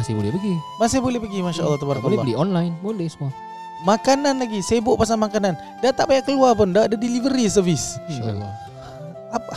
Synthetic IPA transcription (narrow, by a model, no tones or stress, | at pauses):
asajbolɛhpəɡimas̬ajabolɛhpəɡimaʃaʔə̰lːɑht̪abaɾaklːliɔnlajnbolɛhsəmua | makananlaɡiseabʊʔpas̬aŋmakanan | dat̪aʔpajaʔkəluap̬ʊndaːdadilivəɾis̬əvismaa̰lɔ̰ | apa